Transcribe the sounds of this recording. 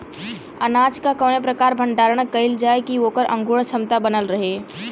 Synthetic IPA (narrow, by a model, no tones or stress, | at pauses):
ənad͡ʒkakəːnepɾəkaːɾbʱəɳɖaːɾəɽ̃kəɪld͡ʒaːekiokəɾʔə̰̃ŋɡuɽ̃t͡ʃʰəmt̪abənəlɾəɦe